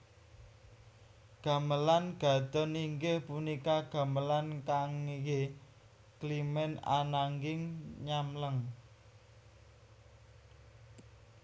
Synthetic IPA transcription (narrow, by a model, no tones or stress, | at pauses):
ɡ̥ä̤məlanɡ̥a̤d̪̥ɔ̤niŋɡɪhpunikaɡ̥a̤məlankaŋɡe | klimɛna̰naŋɡɪŋɲamləŋ